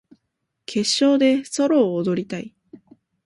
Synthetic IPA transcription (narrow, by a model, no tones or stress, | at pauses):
kʰe̞ɕːo̞ːd̪e̞so̞ɾo̞ːd̪o̞ɾʲit̪ai